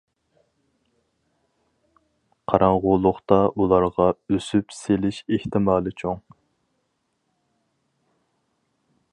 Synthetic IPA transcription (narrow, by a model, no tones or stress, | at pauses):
qʰɑɾɑɴʁʊlˠʊχt̪ɑʔulˠɑɾʁɑøsypselɪʃeht̪ʰɪmɑːlˠɨt͡ʃʰoŋ